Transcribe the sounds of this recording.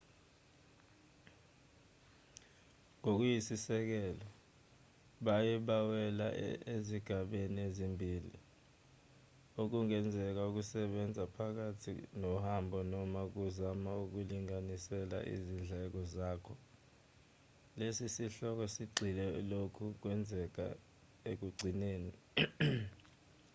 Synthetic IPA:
ŋok̬ujisisɛk̬ɛlɔ | ɓajɛɓawɛlaeziɡ̥ʱaɓeniezimbʱiːlḭ | ok̬uŋɛnd͡zʱɛk̬auk̬usɛɓɛnd͡zʱapʰak̬atʰḭnɔhambʱɔnɔmak̬uzamauk̬uliŋanisɛla̰ʔḭzind͡ɮʱɛk̬ɔzaːkʰɔ | lesisiɬɔk̬ɔsiɡ͡ǀʱilɛlokʰuk̬wɛnd͡zʱɛk̬a̰ | ek̬uɡ͡ǀʱineːni

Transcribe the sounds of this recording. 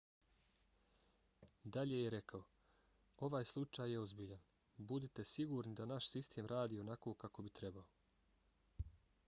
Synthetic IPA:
d̪aʎe̞jeɾe̞kao̞ | o̞ʋaːjslˠut͡ʃaːjːeo̞zbiʎan | bud̪it̪e̞siɡuːɾnid̪anaʃsist̪ʰe̞ːmɾaːd̪iːo̞nakoːkako̞bit̪ɾe̞bao

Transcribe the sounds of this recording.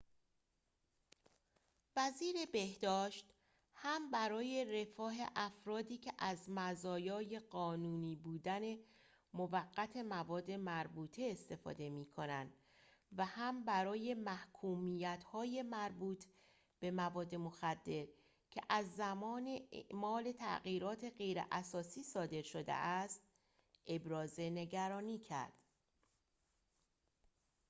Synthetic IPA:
væziːɾe̞be̞hd̪ɒːʃt̪ | hæmbæɾɒːje̞ɾe̞fɒːɦḛʔæfɾɒːd̪iːcʰe̞ʔæzmæzɒːjɒːje̞ɢɒːnuːniːbuːd̪æne̞ | movæɡːæt̪ʰe̞mævɒːd̪ːe̞mæɾbuːt̪ʰeːst̪e̞fɒ̰ːd̪e̞miːkʰo̞nænd̪̥ | væhæmbæɾɒːje̞mæhkʰuːmijæt̪hɒːje̞mæɾbuːt̪ʰ | b̥e̞mævɒːd̪ːe̞mo̞xæd̪ːe̞ɾ | cʰeʔæzːæmɒːneḛʔmɒːle̞t̪ʰæ̰ʔɣiːɾɒːt̪ʰe̞ɢe̞jɾḛʔæsɒːsiːsɒːd̪e̞ɾʃo̞d̪ḛʔæst̪ | ʔe̞bɾɒːze̞ne̞ɟæɾɒːniːcʰæ̰ɾd̪̥

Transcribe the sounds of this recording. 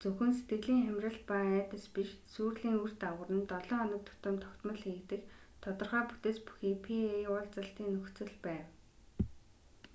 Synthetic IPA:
t͡sɵxɘ̆nset̪ɡɘ̆ɮiːŋχæmʲrʲə̆ɮpaæːt̪ə̆spiʃsuːrɮiːŋur̥t̪awə̆rə̆nt̪ɔɮɔːanə̆k̚t̪ʰʊ̥t̪ə̆mt̪ʰɔ̥kt̪mə̆ɮxiːkt̪ɘ̆kt̪ʰɔt̪ɞ̆rχaːput̪eːspu̥xiːpʰiʊɮt͡sə̆ɬt̪iːŋːɵxt͡sɵ̆ɮpæːw

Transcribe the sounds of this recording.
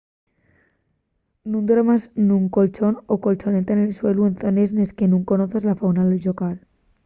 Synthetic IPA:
nũnd̪oɾamaznũŋko̞lt͡ʃo̞noko̞lt͡ʃo̞net̪aenelswe̞luenθonezneskenũŋko̞noθezlafawnaðelʝokal

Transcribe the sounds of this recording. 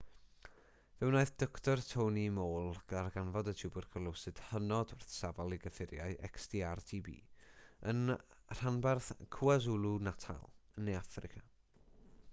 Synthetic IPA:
vɛwnaɨθd̥ɔktʰɔrtʰownimoːlˠɡ̥ədarɡanvɔdətʰubʊrkʰəlˠʊwsɨd̥hənɔdwɪrθsavalˠiɡəfɪɾjaɨʔɛ̰kstiːartʰiːbḭːənr̥anbarθkʰuazulˠunatʰa̰lˠənːejafrɪkʰa

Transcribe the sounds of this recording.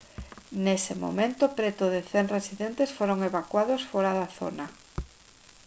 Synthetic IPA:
nesɪmo̰mẽnt̪ʊpɾet̪ʊðeθeŋresiðent̪esfoɾoŋeβakwaðosfoɾaðaθo̰nɐ

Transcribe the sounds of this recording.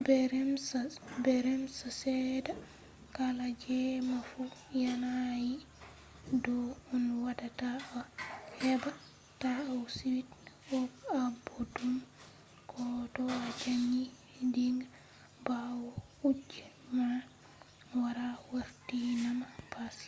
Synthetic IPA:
bɛɾɛmsbɛɾɛmsasɛda | kalad͡ʒɛmafujanaji | dɔɔnwadataawhɛba | taawsiwit | ɔbabodum | kʰɔtɔad͡ʒaɲːi | diŋɡ | bawɔ | ud͡ʒɛ | ma | waɾawaɾtinamapas

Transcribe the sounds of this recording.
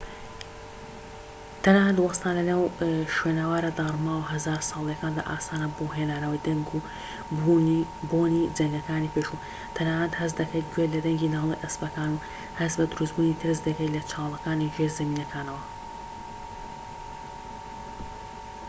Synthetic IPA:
t̪ʰɐnaːnɐd̪wɑst̪aːnlɐnaːwʃwenɐwaːɾɐd̪aːrˤmaːwɦɐzaːɾsɑːlˠjɐkaːnd̪a̰ʔaːsaːnɐboɦenaːnɐwɐjd̪ɐŋɡu | bubonid͡ʒɐŋɡɐkaːnipeʃu | t̪ʰɐnaːnɐt̪hɐz̬d̪ɐkʰɐjt̪̚ɡwelɐd̪ɐŋɡinalˠḭʔɐsbɐkaːnu | hɐzbɐd̪ʊɾusbuːnit̪ʰɨɾs̬d̪ɐkɐjlɐt͡ʃʰaːwlˠɐkaːniʒeɾzɐmiːnɐkʰaːnɐwɐ

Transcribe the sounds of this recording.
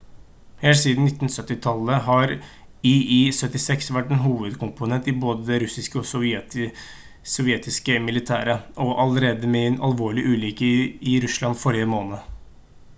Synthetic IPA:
heːlsiːd̪n̩nɪt̪ːnsœt̪ːɪt̪ʰɑlːəɦɑɾ | iisœt̪ːɪsɛksʋæʈːɛnɦuːʋəd̪kʰʊmpʊnɛnt̪ɪboːd̪əd̪ɛɾʉsɪskəɔ | sɔʋjɛːt̪ɪskəmɪlɪt̪ʰæ̰ːɾəʔɔʔɑləɾeːd̪əmɛɛnʔɑlʋoːɭɪʔʉːliːkəɪɾʉslɑnfɔɾjəmoːnə

